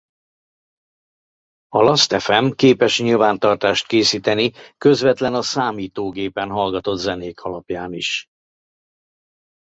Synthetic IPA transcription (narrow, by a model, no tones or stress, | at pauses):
ɒlɒst̪ɛfɛmkeːpɛʃɲilvaːnt̪ɒrt̪aːʃt̪̚keːsiːt̪ɛnikø̞zvɛt̪lɛnɒsaːmiːt̪oːɡeːpɛnɦɒlɡɒt̪o̞d̪zɛneːkʰɒlɒpjaːniʃ